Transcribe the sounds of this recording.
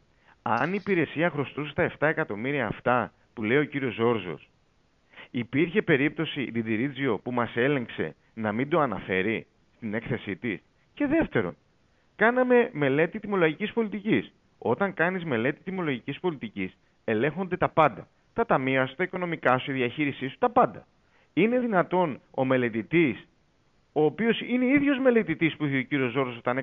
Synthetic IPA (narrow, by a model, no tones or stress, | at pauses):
ɐ̰niːpiɾe̞siɐxɾo̞st̪use̥t̪ɐe̞ft̪ɐe̞kɐt̪o̞miɾiɐːft̪ɐ | pule̞io̞ciɾio̞zo̞ɾzo̞̰s | ipiɾçe̞pe̞ɾip̚t̪o̞sid̪id̪iɾid͡zio̞pumɐse̞le̞ŋkse̞̰ | nɐmind̪o̞ɐnɐ̰fe̞ɾi | st̪ine̞kθe̞sit̪is | ce̞ðe̞ft̪e̞ɾo̞̰n | kɐnɐme̞me̞le̞t̪it̪imo̞loʝicispo̞lit̪icis | o̞t̪ɐŋkɐnizme̞le̞t̪it̪imo̞lo̞ʝicispo̞lit̪icis | e̞le̞ŋxo̞nd̪e̞t̪ɐpɐnd̪ɐ | t̪ɐt̪ɐmiɐsu̥t̪ɐiko̞no̞mikɐsueðiɐçiɾisisu̥t̪ɐpɐnd̪ɐ | ine̞ðinɐt̪o̞no̞me̞le̞t̪it̪is | o̞ːpio̞sine̞iðʝo̞zme̞le̞t̪it̪ispuiçeociɾio̞zo̞ɾosot̪ɐne